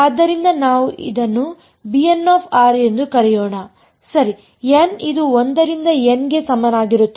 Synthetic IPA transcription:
ɐd̪ːɐɾind̪ɐnaːʋuʔḭd̪ɐnːu | bienːaːpʰaːɾe̞nd̪ukɐɾɛjɔːɳa | sɐɾi | jenid̪uond̪ɐɾind̪ɐenɡe̞sɐmɐnaːɡiɾut̪ː

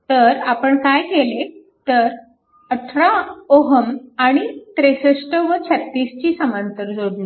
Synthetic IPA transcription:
t̪əɾapəɳkajkele | t̪əɾ | əʈʰɾaoɦəmaɽ̃it̪ɾesəʂʈəʋət͡ɕʰət̪ːiːst͡ɕiːsəmant̪əɾd͡zoɽni

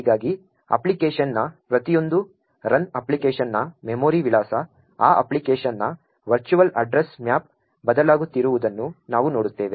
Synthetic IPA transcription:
iːɡaːɡi | ɐ̰plikeːʂɐnːɐpɾɐt̪ijo̞nd̪u | ɾɐnɐplikeːʃɐnːɐmemoːɾiʋilaːsɐ | a̰ːʔɐ̰plikeːʃɐnːɐ | ʋɐɾt͡ʃuʋɐlɐɖɾesmjaːp̚ | bɐd̪ɐlaːɡut̪ːiɾuʋud̪ɐnːunaːʋuno̞ːɽut̪ːe̞ːʋe

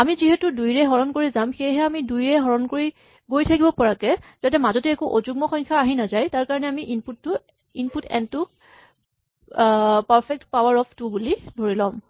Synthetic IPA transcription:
amiziɦɛtʊdujɹɛɦɔɹɔnkoɹizamxejɦɛamidujɹɛɦɔɹɔnkoɹi | ɡojtʰakibɔpɔɹakɛz̥atɛmazɔtɛːkuʔozuɡ̚mɔxɔjŋkʰaːɦinazajtaɹkaɹɔnɛamiʔinputːʊ | inputʰɛ̰ntu | paɹpʰɛk̚tpawaɹɔpʰtubulidʱoɹilɔm

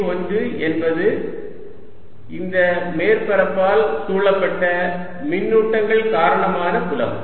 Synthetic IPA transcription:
ɐnd̪ɯʔɛnbɐðɯ | ɪnd̪ɐmeːɾpɐɾɐpːaːlsuːɭɐpːɐʈːɐ | mɪnːuːʈːɐŋɡɐɭkaːɾɐɳɐmaːnɐkʊlɐ̰m

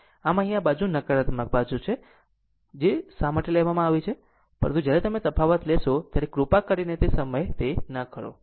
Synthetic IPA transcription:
aməɦĩabad͡ʒũnəkəɾat̪mək̚bad͡ʒũt͡ʃʰe | d͡ʒesaməʈelɛʋamãaʋit͡ʃʰe | pəɾə̃nt̪ud͡ʒjaɾet̪əmet̪əpʰaʋət̪lɛʃot̪jaɾekɾupakəɾinet̪esəməjt̪enəkʰəɾo̰

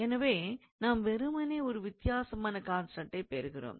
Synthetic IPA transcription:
ɛnɐʋeː | naːmʋɛɾɯmɐneːɔɾɯʋɪt̪ɪjaːsɐmaːnɐkaːnsɐʈːɐɪpeːɾɯɣɪro̰ːm

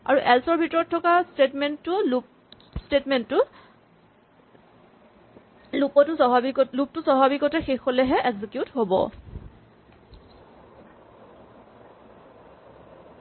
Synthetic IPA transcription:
a̰ɹuʔɛlsɔɹbʱitɔɹɔtʰːɔkastetmɛntːʊlup | stetmɛntːʊ | lupɔtʊsɔɦabikɔlup̚tʊsɔɦabikɔtɛxexolɛɦɛʔɛɡzikjutɦobɔ̰

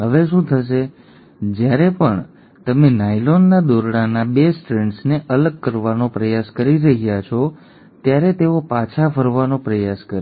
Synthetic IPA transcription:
ɦəʋeʃũt̪ʰəʃ̬e | d͡ʒjaɾepəɳ | t̪əmenajlonːad̪oɾɽanabesʈɾeɳʈsneʔələɡ̚kəɾʋanopɾəjaskəɾiɾəɦijat͡ʃʰɔ | t̪jaɾet̪eopat͡ʃʰafəɾʋanopɾəjaskəɾ

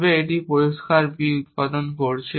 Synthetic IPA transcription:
beeʈipoɾiʃkaɾbiut̪̚pad̪onkoɾt͡ɕʰe

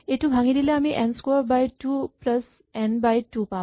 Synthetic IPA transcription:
eʈuɦãŋid̪ileamiʔɛnskoɾbajʈuːpləs | ɛnbajʈupa

